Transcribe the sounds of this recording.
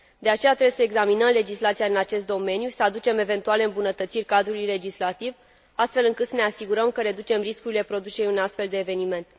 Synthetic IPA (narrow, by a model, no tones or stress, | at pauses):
d̪e̞at͡ʃe̞jat̪ɾebwjesəeɡzaminəmle̞d͡ʒislat̪sijaɨnat͡ʃe̞st̪̚d̪o̞me̞njusəad̪ut͡ʃe̞me̞ve̞nt̪ualeɨmbunət̪ət̪sirʲkad̪ɾulujle̞d͡ʒislat̪iv | ast̪fe̞lɨŋkɨt̪səne̞asiɡuɾəmkəɾe̞d̪ut͡ʃe̞mriskuɾile̞pɾo̞d̪usejejunast̪fe̞ld̪e̞ːve̞nime̞nt̪